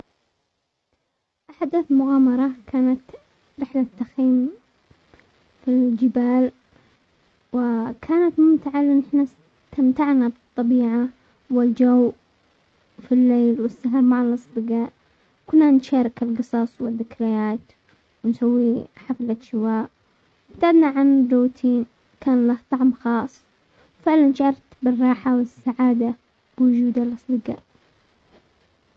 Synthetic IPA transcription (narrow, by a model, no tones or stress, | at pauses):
ʔaħad̪amʊɣɑːmɑɾˤɑkʰaːnat̪ | ɾɪħlat̪ːaxiːm | fild͡ʒɪbaːl | wɪkʰaːnat̪mʊmt̪ɪʕalɪnːɪħna | t̪amt̪aʕnabɨt̪ˤːɑbiːʕa | wɪld͡ʒaw | filːeːlwɪsːaɦɾmaʕalʔɑsˤb̪ɨɡɑːʔ | kʊnːanʃaːɾˤɪkɪlɣɨsˤɑsˤwɪðːɪkɾajaːt̪ | wnsawːiħaflat̪ʃɪwaːʔ | ɪbt̪ʕad̪naʕanɪbɾuːt̪ʰiːn | kʰaːnlaht̪ˤɑʕmxɑːsˤ | wfɪʕlanʃaʕɑɾt̪bɪrˤːɑːħawɪsːaʕaːd̪a | b̥wʊd͡ʒuːd̪alʔɑsˤd̪ɨɡa̰ːʔ